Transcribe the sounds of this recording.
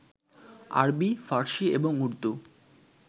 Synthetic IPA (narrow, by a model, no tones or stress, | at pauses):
a̰ɾbifaɾʃieboŋuɾt̪u